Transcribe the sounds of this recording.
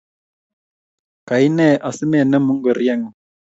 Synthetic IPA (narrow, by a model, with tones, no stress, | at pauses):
ka˨i˦nɛ˦˨ʔa˨si˦me˦˨nə˦mu˦ŋɡə˨ɾi˦a˦˨ŋ˨